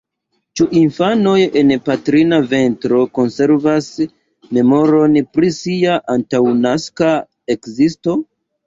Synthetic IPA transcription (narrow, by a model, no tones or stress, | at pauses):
t͡ʃuʔinfano̞je̞npatɾinave̞ntɾo̞ko̞nse̞ɾvas | me̞mo̞ɾo̞npɾisiaʔantawnaska | ekzisto̞